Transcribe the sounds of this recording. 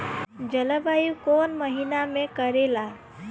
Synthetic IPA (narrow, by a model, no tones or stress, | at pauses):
d͡ʒələbʱajukonməɦinamẽkəɾela